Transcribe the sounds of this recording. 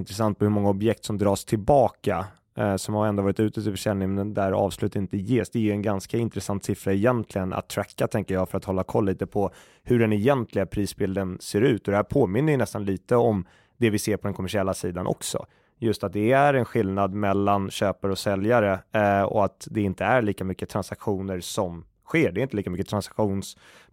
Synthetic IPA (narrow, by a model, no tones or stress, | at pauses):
nt̪ɾɛs̬ant̪̚pʰɔhɵɾmɔŋːaɔbjɛk̚t̪sɔmd̪ɾɑːʂt̪ʰɪlbɑːka | sɔmhaɛnd̪ovɑːɾɪt̪ʉ̟ːt̪ət̪ɪfœʂɛlnɪŋnd̪ɛnd̪æɾɑ̰ːvslʉ̟ːt̪ɪnt̪əjeːsd̪ɛːjɵɛnɡanskaɪnt̪ɾɛsant̪sɪfɾaɛjɛnt̪ʰlɪɡənʔa̰t̪ʰːɾækːat̪ʰɛŋkəjɑːɡfœɾat̪hɔlːakʰɔlːiːt̪əpʰɔ | hɵɖɛnɛjɛnt̪ʰlɪɡapʰɾiːsbɪld̪ənseːɾʉ̟ːt̪ɔd̪ɛhæːɾpʰoːmɪnːəvɪnɛst̪anliːt̪əɔm | d̪ɛvɪseːɾpʰɔd̪ɛnkʰʊmæʂɪɛlːasiːd̪anʔɔ̰ksɔ̰ | jɵst̪at̪̚d̪ɛæɾɛnɧɪlnad̪mɛlːanɕøːpaɾəɔsɛljaɾəɔ̰at̪d̪ɛɪnt̪əæɾɭiːkamʏkːət̪ʰɾansakɧuːnəɾsɔm | ɧeːɖɛɪnt̪əliːkamʏkːət̪ʰɾansakɧuːns